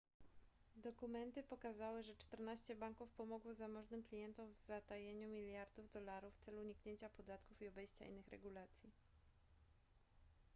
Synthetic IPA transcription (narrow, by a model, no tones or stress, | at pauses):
d̪ɔkumɛnt̪ɘpɔkazawɘʐɛt͡ʂt̪ɛɾnaɕt͡ɕɛbaŋkufpɔmɔɡwɔzamɔʐnɘmklʲijɛnt̪ɔmvzat̪ajeɲumʲilʲjaɾd̪uvd̪ɔlaɾufːt̪sɛluːɲikɲeɲt͡ɕapɔd̪at̪kufiɔbɛjɕt͡ɕa̰ḭnːɘxɾɛ̰ɡulat̪sʲji